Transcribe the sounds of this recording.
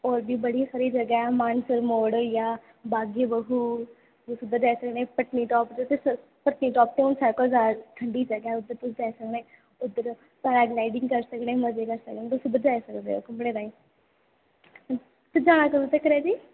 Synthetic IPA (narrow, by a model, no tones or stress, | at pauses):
ɔːɾbiːbəɽiːsəɾiːd͡ʒəɡaɛːmaːnsəɾmoːɽəjaː | baːɡebəɦuː | t̪ʊsʊd̪ːəɾd͡ʒaːisəknẽːpəʈniːʈɔːpd͡ʒot̪es | pəʈniːʈɔːp̚ʈ̪eːʊnsaːɾkoəzaːɾʈ̪ʰəɳɖiːd͡ʒəɡɛːʊd̪əɾt̪ʊsĩd͡ʒaːisəkneː | ʊd̪əɾ | saɾaːɡlaːɪɖɪŋɡkəɾsəknẽːməd͡ʒeːkəɾsə̰knẽːt̪ʊsĩːbəd͡ʒaːisəkd̪ḛːo̰ːkəpɽ̃eːɾaːiː | t̪ed͡ʒaːɽ̃aːkəɾuːt̪ekəɾɛːd͡ʒiː